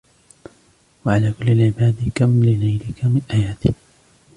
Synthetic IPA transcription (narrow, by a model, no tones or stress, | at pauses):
waʕalaːkʊlːalʕɪbaːd̪kamlɪlajlɪkamɪnʔaːjaːt̪ɪk